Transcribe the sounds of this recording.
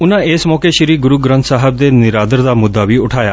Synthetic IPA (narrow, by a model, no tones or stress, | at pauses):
ʊnãeːsmɔːkeʃɪɾiːɡʊɾuːɡɾə̃nt̪saːɦəb̚d̪eːnɪɾaːd̪əɾd̪aːmʊd̪ːaʋiʊʈʰaːjaː